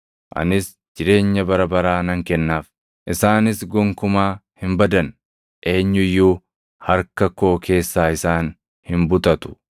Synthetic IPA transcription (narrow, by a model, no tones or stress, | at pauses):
ʔɐ̰nɪs | d͡ʒɪɾe̞ːɲːɐbɐɾɐbɐɾaːnɐŋkɛnːaːf | ʔɪsaːnɪsɡɔŋkʊmaːhɪmbɐd̪ɐn | ʔe̞ːɲːʊjːuː | hɐɾkɐko̞ːke̞ːsːaːɪsaːn | hɪmbʊt̪ɐt̪ʊ̥